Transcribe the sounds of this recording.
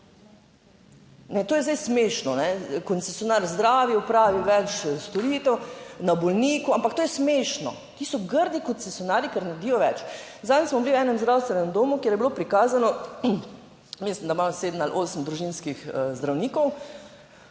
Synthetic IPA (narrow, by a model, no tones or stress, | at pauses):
nɛt̪oːjɛzd̪ajsmeʃnɔnɛkɔnsesjɔnaɾzd̪ɾaːʋiɔpɾaːʋiwʋɛt͡ʃst̪ɔɾiːt̪ɛwnabɔlniːkuampakt̪oːjɛsmeːʃnɔ̰ | t̪iːsɔɡəɾd̪ikɔt̪sesjɔnaːɾjikɛɾnaɾd̪iːjɔʋɛt͡ʃ | zaːnɛsmɔbiliwɛːnɛmzd̪ɾawst̪ʋɛnɛmd̪oːmukjeɾjɛbilopɾikaːzanɔ | mislimd̪amaseːd̪malʔoːsəmd̪ɾuʒinskixzd̪ɾawniːkɔw